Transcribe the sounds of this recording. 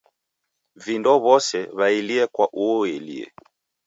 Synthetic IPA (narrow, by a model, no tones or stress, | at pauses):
vindɔβɔsɛβailiɛkwaʔuɔɛlḭɛ̰